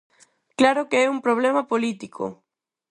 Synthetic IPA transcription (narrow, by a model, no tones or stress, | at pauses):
klaɾʊkeɛumpɾoβ̞lɛmɐpolit̪ikʰo̰